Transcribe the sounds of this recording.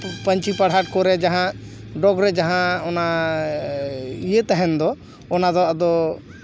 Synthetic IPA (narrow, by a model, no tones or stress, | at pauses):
pəɲt͡ʃipəɽ̤aʈ̚kɔɾɛd͡ʒaɦã | ɖɔɡɾɛd͡ʒaɦãɔna | ijet̪ɛɦɛnd̪ɔ | ɔnad̪ɔəd̪ɔ